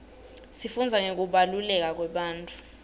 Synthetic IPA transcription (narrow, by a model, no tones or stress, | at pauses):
sifund͡zʱaŋek̬uɓalulɛk̬ak̬wɛɓaːntʼu̥